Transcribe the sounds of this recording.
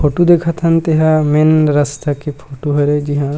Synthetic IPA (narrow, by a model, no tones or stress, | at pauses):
pʰoːʈod̪eːkʰət̪ɦɐnt̪eɦãmenɾɐst̪akipʰoːʈoɦɐɾed͡ʒiɦã